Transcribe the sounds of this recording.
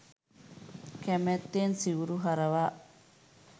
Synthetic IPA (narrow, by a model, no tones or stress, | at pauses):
kemet̪ːensiuɾuɦaɾaβa